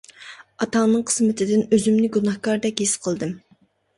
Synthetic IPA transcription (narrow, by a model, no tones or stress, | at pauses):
ɑt̪ɑnɨŋqʰə̥smɪt̪ʰɪd̪ɪnøzymnɪɡunɑhkɑɾd̪ɛkʲɦesqʰəlˠd̪ɨm